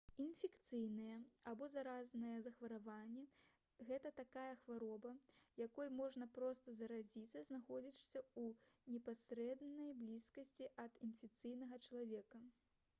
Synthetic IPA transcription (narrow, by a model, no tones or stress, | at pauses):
infʲɛkt̪sɨjnɨjɛabɔzaɾaznɐjɛzɐxvɐɾavanʲːɛ | ɣɛt̪ɐt̪akajɐxvaɾɔbɐjakɔjmɔʐnɐpɾɔst̪ɐzɐɾad͡zʲit̪sːɐznaxɔd͡zʲiʂsʲɐunʲɛpasʲɾɛd̪nɐjblʲiskɐsʲt͡sʲiʔɐd̪infʲɛk̚t̪sɨjnɐɣɐt͡ʃɐlˠavʲɛkɐ